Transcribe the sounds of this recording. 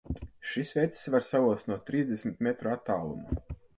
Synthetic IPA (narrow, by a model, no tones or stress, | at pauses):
ʃisvʲɛt̪ssvaɾsauɔst̪nuɔt̪ɾiːzd̪esmit̪mɛt̪ɾuat̪ːaːlˠṵmu